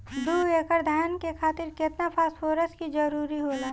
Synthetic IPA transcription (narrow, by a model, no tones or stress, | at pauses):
d̪uːeːkəɾd̪ʱajnkekʰaːt̪ɪɾkɪt̪napʰaːsfʰoːɾəskid͡ʒɐɾuːɾiɦoːlaː